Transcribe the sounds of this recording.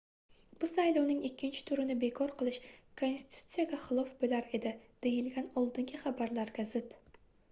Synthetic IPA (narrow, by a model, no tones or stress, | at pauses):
bʊsajlˠɒwnɪŋɪkʲːɪnt͡ʃʰɪ̥t̪ʰʊɾɪnɪbe̞kʰɒɾqʰɨlˠɪʃkʰonsi̥t̪ʰu̥t̪sijaɡʲaχɨlˠɒfbolaɾe̞d̪ɪd̪̥e̞jɪlɡʲanɒlˠd̪ɪŋɡʲɪχabaɾlaɾɡʲazɪt̪